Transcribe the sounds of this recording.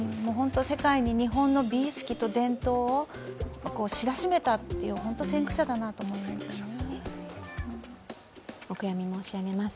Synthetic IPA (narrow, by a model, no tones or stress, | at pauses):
moːɦõ̞nt̪o̞se̞kaiɲ̟iɲ̟iɦõ̞nːo̞bʲiːsɨ̥kʲit̪o̞d̪ẽ̞nt̪o̞ː | βako̞ːɕiɾaɕime̞t̪at̪ːe̞jɯ̟ɦo̞nt̪osẽ̞ŋkɯ̟ɕad̪anat̪o̞ːmo̞imassone | okɯ̟jamʲimo̞ːɕiaɡe̞masɨ̥